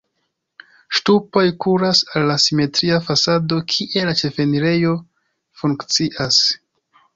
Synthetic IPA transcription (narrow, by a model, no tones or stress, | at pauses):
ʃtupo̞jkuɾasalːasime̞tɾiafasado̞kʰiʔe̞lat͡ʃe̞fe̞niɾe̞jo̞ | fuŋkt͡siʔas